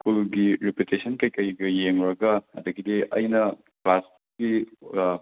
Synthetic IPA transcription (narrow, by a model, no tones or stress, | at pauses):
skulɡiɾeputesɐnkɐjkɐjɡɐjeŋɾɐɡɐhɐ̰dɐɡideʔɐ̰jnɐ | klas | ɡ̥i